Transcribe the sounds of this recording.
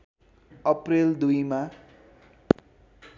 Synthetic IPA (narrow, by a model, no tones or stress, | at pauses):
ʌpreld̪ujma